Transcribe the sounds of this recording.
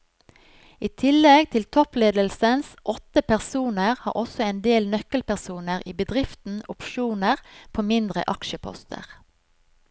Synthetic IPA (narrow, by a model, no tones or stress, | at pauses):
iːt̪ʰɪlɛɡt̪ʰɪlt̪ʰɔpleːd̪əlsənsʔɔt̪əpæʁsuːnəʁhɑ̰ːʔɔsɔeːnd̪eːlnœkəlpæʁsuːnəʁiːbəd̪ʁɪft̪n̩ʊpʃuːnəʁpʰoːmɪnd̪ʁə̰ʔɑkʃəpʰɔ̰st̪ʰə̰ʁ